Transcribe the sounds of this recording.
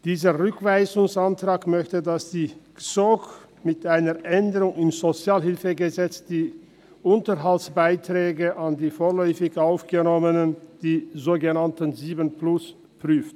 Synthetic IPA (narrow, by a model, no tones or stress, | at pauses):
d̥iːzəʁʏkv̥aɪzʊŋsantʁ̥aːkmœçtədasd̥iː | t͡sok | mɪtʔaɪnəʔɛndəʁʊŋɪmzot͡sjaːlhɪlfəɡəzɛt͡sd̥iː | ʔʊntəɦaltsb̥aɪtʁ̥ɛːɡəʔandiːfoːɐlɔʏfɪçʔaʊfɡ̥ənɔmənənd̥iːzoːɡənantənziːbənplʊs | pʁ̥yːft